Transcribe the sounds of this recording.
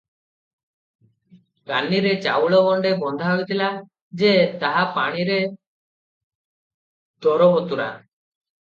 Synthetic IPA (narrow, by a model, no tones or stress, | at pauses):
kaniɾet͡ʃa̰wɭɔɡɔɳɖebɔnd̪ʱaɦɔit̪ila | d͡ʒet̪aɦapaɽ̃iɾe | t̪ɔɾɔbɔt̪uɾa̰